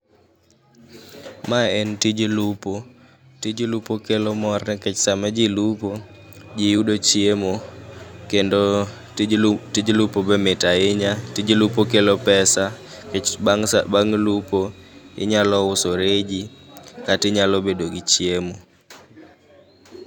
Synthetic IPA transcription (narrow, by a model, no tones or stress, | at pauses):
maɛntid͡ʒlupo | tid͡ʒlupokelomɔrnɛkɛt͡ʃsamad͡ʒilupo | d͡ʒɪjudot͡ʃiemo | kendo | tid͡ʒlupobɛmɪtaɪɲatid͡ʒilupokelopɛsakɛt͡ʃaŋabaŋlupoɪ̰ɲalɔʊsoɾed͡ʒikatɪɲalɔbedoɡit͡ʃjemo